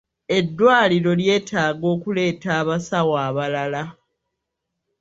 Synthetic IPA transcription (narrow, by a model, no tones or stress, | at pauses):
e̞dːwaːliɾo̞lje̞ːtaːɡo̞ːkule̞ːtaːβasawaːβalala